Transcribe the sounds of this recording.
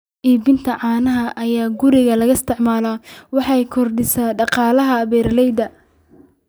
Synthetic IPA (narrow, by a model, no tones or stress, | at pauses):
ʔiːbɪnt̪ʰɐʕɑːnɐɦɐʔɐjaːɡʊɾɪɣɐlɐɣɐst̪ʰɪʕmaːlɐwɑħɑjkʰɔrɖɪsaːɖɑqɑːlɐɦɐβɛːrlɛjd̪ɐ